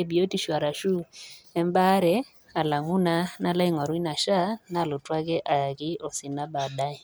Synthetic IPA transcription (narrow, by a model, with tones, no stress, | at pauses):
e˦˨bi˨o˦ti˦ʃwa˨ɾa˨ʃu˦ɛ˦mba˦ɾɛ˨ | a˨la˨ŋu˦na˦na˦˨la˦i˦ŋɔ˨ɾwi˦na˨ʃa˦na˦˨lʊ˨twa˦ɣɛ˦ʔa˨ja˨ɣɪ˦ɔ˨sɪ˨na˦ba˨da˦i˨